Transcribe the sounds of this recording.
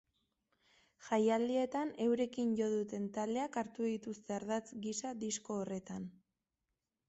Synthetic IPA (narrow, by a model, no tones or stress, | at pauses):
ʝajald̪ie̞t̪ane̞wɾe̞kinʝo̞ðut̪e̞nt̪ald̪e̞akaɾt̪uðit̪ust̪e̞aɾðat͡sɡisaðisko̞ːre̞t̪an